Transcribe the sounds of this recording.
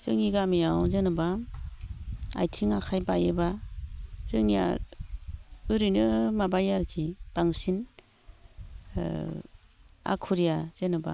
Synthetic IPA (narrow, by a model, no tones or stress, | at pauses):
z̥ɯŋiɡamijawzɯnɯba | a̰jtʰiŋakʰajbajɯba | z̥ɯŋija̰ | ɯɾinɯmabajaɾkʰib̥aŋsin | a̰kʰuɾijaz̥ɯnɯba̰